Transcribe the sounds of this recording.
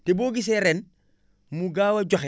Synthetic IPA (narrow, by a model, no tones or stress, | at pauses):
teboːɡis̬eɾɛn | muɡaːwɐɟaxe